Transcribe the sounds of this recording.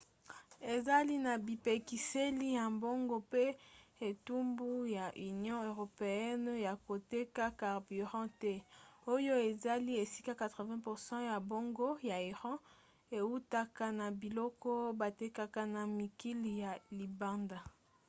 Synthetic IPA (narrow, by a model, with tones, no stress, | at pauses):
e˨za˦li˦na˨bi˨pe˨ki˨se˦li˦ja˨mbo˦ŋɡo˦pe˦e˨tu˦mbu˦ja˨ʔy˨njɔ̃˦ø˨ʁo˨pe˨ɛ˦nja˨ko˨te˦ka˦ka˨ʁby˨ʁɑ̃˦tɛ˦o˦jo˦e˨za˦li˦e˨si˦ka˦ka˨tʁə˨vɛ̃˦pu˨ʁsɑ̃˦ja˨bo˦ŋɡo˦ja˨i˨ʁɑ̃˦ | e˨u˦ta˦ka˦na˨bi˨lɔ˦kɔ˦ba˨te˦ka˦ka˦na˨mi˨ki˦li˨ja˨li˨ba˦nda˨